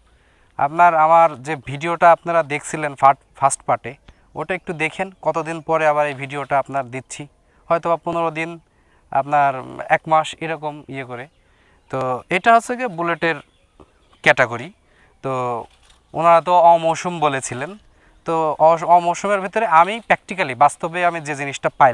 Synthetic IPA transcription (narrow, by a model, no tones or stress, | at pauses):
a̰pnaɾamaɾd͡ʑebʱiɖioʈaapnaɾad̪ekʰt͡ɕʰilenfa | fʰasʈpaʈe | o̰jʈaek̚ʈud̪ekʰenkɔt̪od̪inpɔɾeabaɾejbʱiɖioʈaapnaɾd̪itːɕʰi | hɔjt̪obapuneɾod̪in | a̰pnaɾɛ̰kmaʃeɾɔkomiekoɾe | t̪oejʈaɦotːʰekebuleʈeɾ | kɛʈeɡoɾi | t̪o | o̰naɾat̪̬oɔmoʃumbolet͡ɕʰilen | t̪oɔɔmowʃumeɾbʱit̪oɾeʔamipɾɛk̚ʈikalibast̪obeamid͡ʑed͡ʑiniʃʈapaj